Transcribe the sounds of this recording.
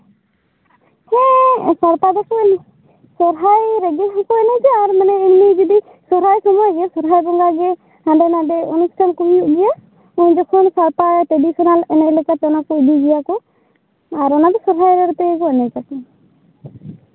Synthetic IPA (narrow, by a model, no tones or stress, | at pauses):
hɛ̃saɾpad̪ɔkɔɛni | sɔɾɦajɾɛɡɛɦakɔɛnɛd͡ʒaːɾmanɛimnid͡ʒɔd̪i | sɔɾɦajsɔmɔjɡɛsɔɾɦajbɔŋɡaɡɛ | hãɖɛnadɛɔnusʈʰankumijuʔɡɛja | uɲd͡ʒɔkʰɔnsaɾpaʈɾeɖisɔnalɛnaʔlɛkat̪ɔnakɔidiɡijakɔ | aɾɔnab̪ɛsɔɾɦajɾɛɾɔt̪ɛkɔɛnɛd͡ʒakɔ